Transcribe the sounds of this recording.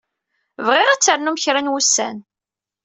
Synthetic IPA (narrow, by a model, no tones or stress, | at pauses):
vʁɪʁat͡sːəɾnuməçɾanwusːæ̰n